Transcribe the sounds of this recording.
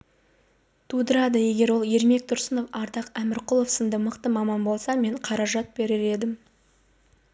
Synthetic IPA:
t̪ʰud̪əɾɑd̪əje̞ɡʲe̞ɾwo̞lˠje̞ɾme̞k̚t̪ʰʊɾsəno̞fɑɾd̪ɑqæmɪɾqʊlˠo̞fsənd̪əməqt̪əmɑmɑnbo̞lˠsɑme̞ɴqʰɑɾɑʒɑt̪̚be̞ɾɪɾe̞d̪ɪm

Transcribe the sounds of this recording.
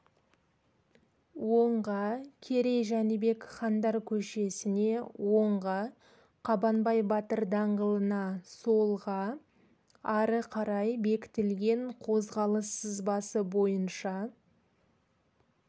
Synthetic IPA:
woɴʁɑkʲʰe̞ɾe̞jʒænəbe̞kχɑnd̪ɑɾkʲʰɵʃe̞sɪne̞wo̞ɴʁɑ | qʰɑbɑnbɑjbɑt̪əɾd̪ɑɴʁəlˠənɑsolˠʁɑ | ɑɾəqʰɑɾɑjbe̞kʲɪ̥t̪ɪlɡʲe̞ɴqʰo̞zʁɑlˠəsːəzbɑsəbo̞jənʃɑ

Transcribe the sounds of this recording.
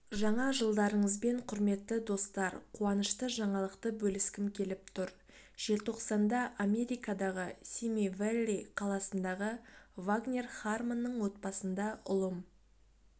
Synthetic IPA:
ʒɑɴɑʒəlˠd̪ɑɾəɴəzbe̞ɴqʰʊɾme̞t̪ːɪd̪o̞st̪ɑɾqʰuɑnəʃt̪əʒɑɴɑlˠəqt̪əbɵlɪskʲɪmkʲʰe̞lɪpt̪ʰʊɾ | ʒ̥e̞lt̪ʰo̞qsɑnd̪ɑʔame̞ɾʲijkad̪ɑʁəsʲimivelʲːiqʰɑlˠɑsənd̪ɑʁəvaɡnʲe̞rχarmanːəɴwo̞t̪̚bɑsənd̪ɑʔʊlˠəm

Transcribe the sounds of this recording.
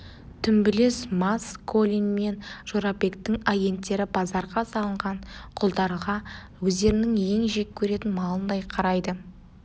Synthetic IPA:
t̪ʰʏmbɪlesmaskʰolʲijnme̞nʒ̥oɾɑpe̞kt̪ɪŋaje̞nt̪ːe̞ɾɪbɑzɑɾʁɑsɑlˠəɴʁɑɴqʰʊlˠd̪ɑɾəʁɑ | wɵzd̪e̞ɾɪnɪŋje̞ŋʒekʲʰːɵɾe̞t̪ɪnmɑlˠənd̪ɑjqʰɑɾɑjd̪ə

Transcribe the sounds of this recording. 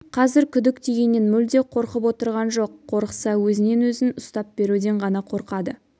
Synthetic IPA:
qʰɑzɪɾkʲʰʏd̪ɪk̚t̪ʰeɡʲe̞nːenmʏld̪e̞qʰo̞ɾqəpwo̞t̪əɾʁɑnʒo̞qʰːo̞ɾqə̥sɑwɵzɪne̞nwɵzɪnʊst̪ɑp̚be̞ɾud̪e̞ɴʁɑnɑqʰo̞ɾqɑd̪ə

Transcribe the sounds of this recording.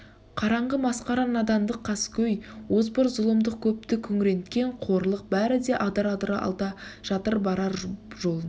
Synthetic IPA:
qʰɑɾɑɴʁəmɑsqɑɾɑnɑd̪ɑmd̪əqʰːɑskʲɵjwozbəɾzʊlˠəmd̪əq̚kʲʰɵp̚t̪ɪkʲʰɵŋʲɪɾe̞nt̪kʲe̞ɴqʰo̞ɾlˠəq̚bæɾɪd̪e̞ʔɑd̪ɑɾɑd̪əɾɑ̰lˠd̪ɑʒ̥ɑt̪əɾbɑɾɑɾʒo̞lˠən

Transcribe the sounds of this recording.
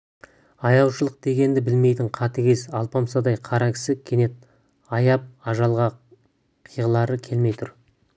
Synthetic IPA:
ɑjɑw̪ˠʃəlˠəq̚d̪̥e̞ɡʲe̞nd̪ɪbɪlme̞jt̪ɪɴqʰɑt̪ɪɡʲe̞sɑlˠpɑmsɑd̪ɑjqʰɑɾɑkʲʰɪ̥sɪkʲʰe̞ne̞t̪̚ | ɑjɑp̚ɑʒɑlˠʁɑ | qʰijʁəlˠɑɾəkʲʰe̞lme̞jt̪ʰʊɾ

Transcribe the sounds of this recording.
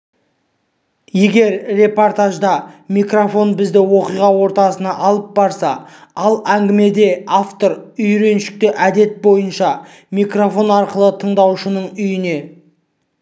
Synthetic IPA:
je̞ɡʲe̞ɾre̞po̞rt̪aʒd̪ɑmijkro̞fo̞nbɪzd̪ɪwo̞qijʁɑwo̞ɾt̪ɑsənɑʔɑlˠəp̚bɑɾsɑɑlˠæŋɡʲɪme̞d̪e̞aft̪o̞ɾʏjɾe̞nʃɪ̥k̚t̪ɪʔæd̪e̞t̪̚bo̞jənʃɑ | mijkro̞fo̞nɑɾqəlˠət̪ʰəɴd̪ɑwʃənəɴʏjɪne̞

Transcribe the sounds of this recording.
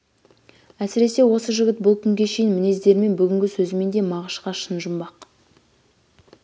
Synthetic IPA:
æsɪɾe̞se̞wo̞səʒʏɡʲɪt̪̚bʊlˠkʲʰʏŋɡʲe̞ʃe̞jɪnmɪne̞zd̪e̞ɾɪme̞nbʏɡʲɪŋɡʲɪsɵzɪme̞nd̪e̞mɑʁəʃqɑʃənʒʊmbɑq

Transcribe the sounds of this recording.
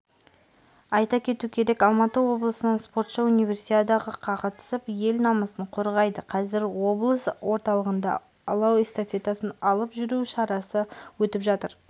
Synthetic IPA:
ɑjt̪ɑkʲʰe̞t̪ukʲʰe̞ɾe̞kɑlˠmɑt̪əwo̞blˠəsənəɴspo̞ɾt̪ʃəunijvʲe̞ɾsit̪ad̪ɑʁəqʰɑʁət̪ə̥səpje̞lnɑməsəɴqʰo̞ɾʁɑjd̪əqʰɑzɪɾwo̞blˠəswʔo̞ɾt̪ɑlˠəʁənd̪ɑ̰ | lˠɑwest̪ofʲe̞t̪asənɑlˠəpʒʏɾuʃɑɾɑsəwɵt̪ɪpʒɑt̪əɾ

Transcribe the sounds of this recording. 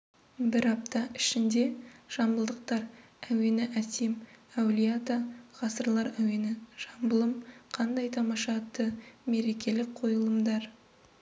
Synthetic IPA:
bɪɾɑp̚t̪ɑɪʃɪnd̪e̞ʒ̥ɑmbəlˠd̪əq̚t̪ɑɾ | æwe̞nɪʔæsemæwlʲijat̪əʁɑsəɾlˠɑɾæwe̞nɪʒ̥ɑmbəlˠəmqʰɑnd̪ɑjt̪ʰɑmɑʃɑt̪əme̞ɾe̞kʲʰe̞lɪk̚qʰo̞jəlˠəmd̪ɑɾ

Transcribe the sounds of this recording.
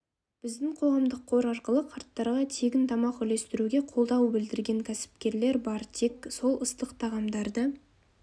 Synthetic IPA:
b̥ɪzd̪ɪŋqʰo̞ʁɑmd̪əqʰːo̞ɾɑɾqəlˠəqʰɑɾt̪ːɑɾʁɑt̪ʰe̞ɡʲɪnt̪ʰɑmɑqʏle̞st̪ɪɾuɡʲe̞qʰo̞lˠd̪ɑwbɪld̪ɪɾɡʲe̞ŋkʲʰæsɪ̥p̚kʲe̞ɾle̞ɾbɑɾt̪ʰekso̞lˠəst̪əqt̪ʰɑʁɑmd̪ɑɾd̪ə

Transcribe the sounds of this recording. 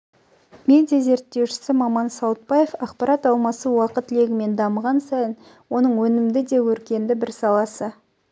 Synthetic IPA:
me̞d̪ijaze̞ɾt̪ːe̞wʃɪ̥sɪmɑmɑnsɑwət̪̚pɑje̞fɑqpɑɾʔɑt̪ɑlˠmɑsəwɑqət̪le̞ɡʲɪme̞nd̪ɑməʁɑnsɑjən | wo̞nəɴwɵnɪmd̪ɪd̪e̞wɵɾkʲe̞nd̪ɪbɪɾsɑlˠɑsə

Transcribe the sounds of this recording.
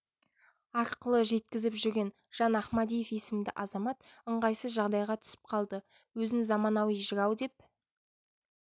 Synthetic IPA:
ɑɾqəlˠəʒe̞t̪kʲɪzɪpʒʏɾɡʲe̞n | ʒ̥ɑnɑχmad̪ijefje̞sɪmd̪ɪʔɑzɑmɑt̪əɴʁɑjsəzʒɑʁd̪ɑjʁɑt̪ʰʏ̥sɪ̥p̚qʰɑlˠd̪ə | wɵzɪnzɑmɑnɑwijʒəɾɑwd̪e̞p̚

